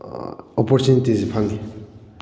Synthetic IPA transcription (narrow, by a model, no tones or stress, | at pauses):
ɔpɔɾtunitizepʰaŋdi